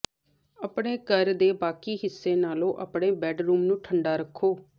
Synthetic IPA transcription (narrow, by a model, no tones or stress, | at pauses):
əpɽeːkəɾd̪eːbaːkiːɦɪsːeːnaːlõːʔəpɽeːbɛːɖɾuːmnũːʈʰəɳɖaːɾəkʰːoː